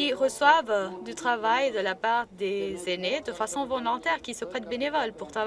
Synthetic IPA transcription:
iʁəswavd̪yt̪χavajd̪əlapaʁd̪ezened̪əfasɔ̃vɔ̃lɑ̃t̪ɛʁkʲisəpχɛt̪benevɔlpuʁt̪χa

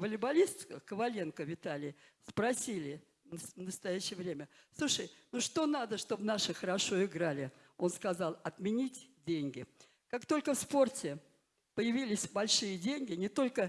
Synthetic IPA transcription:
vəlʲɪbɐlʲist̪əkəvɐlʲe̞nkəvʲɪt̪alʲɪj | spɾɐsʲilʲɪ | nəst̪ɐjæɕːɪjəvɾʲemʲəslˠuʂəjnuʂt̪o̞nad̪əʂt̪o̞bnaʂɨxəɾɐʂo̞ɪɡɾalʲɪ | o̞nskɐzɑlˠɐt̪mʲɪnʲitʲdʲenʲɡʲɪ | kakt̪o̞lʲkəfspo̞rtʲɪ | pəjɪvʲilʲɪsʲbɐlʲʂɨjədʲenʲɡʲɪnʲɪt̪o̞lʲkə

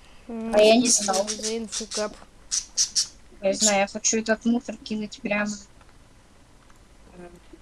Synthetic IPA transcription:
ɐjanʲɪznalˠnsukap | jaznajʊjaxɐt͡ɕuɛt̪ət̪musərkʲinʊtʲpɾʲamə

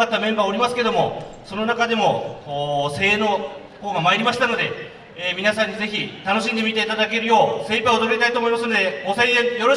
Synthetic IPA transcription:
at̪ːamẽ̞mbaːo̞ɾʲimasɨ̥ke̞d̪o̞mo̞̰so̞no̞nakad̪e̞mo̞oːse̞ːno̞ː | koːɡamaeɾʲimaɕi̥t̪ano̞d̪e̞ | eːmʲinasãɲ̟ːize̞çit̪ano̞ɕĩnd̪e̞mʲit̪e̞it̪ad̪ak̬e̞ɾɯ̟jo̞ːse̞ːpaod̪oɾɯɡet̪ait̪oːmo̞imasɨno̞d̪e̞oseẽjo̞ɾo

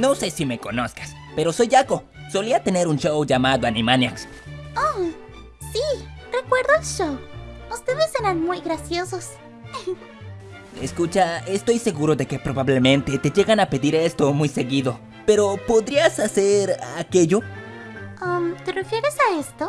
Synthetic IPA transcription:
no̞se̞sime̞ko̞no̞skḁs | pe̞ɾo̞so̞jako̞ | so̞liat̪ene̞ɾunʃowʝamaðoanimanjaks | o | sirekwe̞ɾðoelʃowust̪e̞ðeseɾanmujɣɾasjo̞sos | ḛskut͡ʃaest̪o̞jse̞ɣuɾo̞ðe̞ke̞pɾo̞βaβle̞mẽnt̪e̞t̪e̞ʝe̞ɣanape̞ðiɾe̞st̪omujse̞ɣiðo̞ | pe̞ɾo̞po̞ðɾiasaseɾa̰ke̞ʝo | amt̪e̞refjeɾesaest̪o

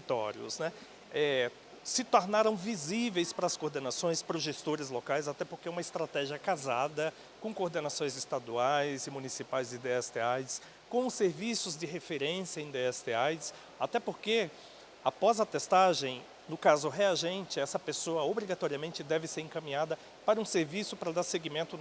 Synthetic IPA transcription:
it̪ɔ̰ɾiʊ̰snɛ | ɛ | sɪt̪oɾnaɾɐ̃w̃vizivejspɾɐɐskoɾd̪enasõj̃spɾoʒest̪oɾɪzlokajzat̪ɛpoɾkeɛũmɐɪst̪ɾat̪ɛʒiɐkazad̪ɐ | kõkoɾd̪enasõj̃zɪst̪ad̪uajzɪmũnisipajzɪd̪eɛst̪eajs | kõseɾvisʊzd͡ʒɪɦefeɾẽsjɐẽd̪eɛst̪eajs | at̪ɛpoɾke | apɔzɐt̪est̪aʒẽj̃ | nʊkazʊɦeaʒẽnt͡ʃɪɛsɐpesoɐobɾiɡat̪ɔɾiɐmẽnt͡ʃɪd̪ɛvɪseɾẽŋkɐ̃mĩɲad̪ɐ | paɾɐũseɾvisʊpɾɐd̪aɾseɡimẽnt̪ʊ

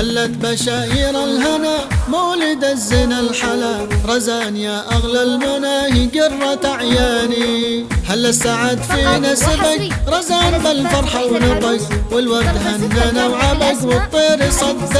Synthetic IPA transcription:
halːat̪baʃaːʔiːɾˤalɦanamawlɪd̪azːɪnalħala | ɾˤɑzaːnjaʔaɣlalmanaːhiɡɪrˤːat̪aʕjaːnihalːasaʕad̪fiːnasabakɾˤɑzaːnbalfɑɾˤħawnabakwɪlwɑɾd̪ɦanːanawʕabakwɨt̪ˤːiːɾisˤɑd̪ː

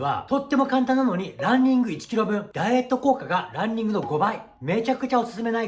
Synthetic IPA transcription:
βa̰t̪o̞t̪ːe̞mo̞kãnt̪ãnːano̞ɲ̟iɾãɲʲːĩŋɡɯ̟it͡ɕi̥kʲiɾo̞bɯ̟̃ɴd̪̥aie̞t̪ːo̞ko̞ːkaɡaɾãɲʲːĩŋɡɯ̟no̞ɡo̞bai | me̞ːt͡ɕakɯ̟t͡ɕaosɨ̥sɨme̞nai

